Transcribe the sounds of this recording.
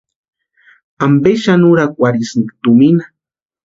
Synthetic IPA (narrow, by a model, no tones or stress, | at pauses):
ambeʃanuɾakʷʼwaɾisnt̪umina